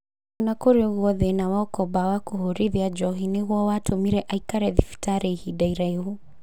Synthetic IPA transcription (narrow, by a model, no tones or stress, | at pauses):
unakɔɾɛɣwɔðɛnawaɔkɔbawakuɦuɾiðiad͡ʒɔɦiniɣwɔwatʰumiɾɛʔaikaɾɛðifi̥taɾɛihidajɾaihu